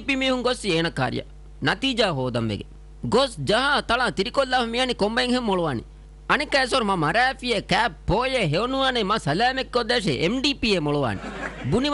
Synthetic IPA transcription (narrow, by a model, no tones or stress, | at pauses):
pimiːhuŋɡosːieːnɐkːa̰ɾḭjɐ̰ | nɐt̪iːd͡ʒaːɦoːd̪ɐmʋḛɡḛ | ɡosd͡ʒɐɦat̪ɐɭaːt̪iɾikolːaːfɐmianikombɐiŋhemːoɭuʋaːnḭ | ɐnikːɐesoɾumɐmɐɾæːfiekæːppːoːjeɦeonuʋaːnemɐsɐlaːmekːod̪eːʂḛʔemɖiːpieːmoɭuʋa̰ːnḭbuniʋ